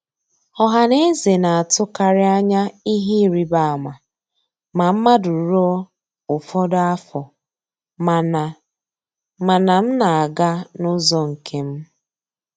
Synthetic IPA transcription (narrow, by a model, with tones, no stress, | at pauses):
ɔ˦ɦa˨ne˦ze˨na˨a˨tʊ˦ka˦ɾɪ˦a˦ɲa˦i˦ɦi˦ɾi˨ba˦a˨ma˨ | ma˨m̩˦ma˦du˨ɾɔ˦ | ʊ˨fɔ˦da˦fɔ˨ | m˨n˨ | ma˨na˨m̩˦na˨a˨ɡa˦nʊ˦zɔ˦ŋ̩˨kʰe˦m̩˦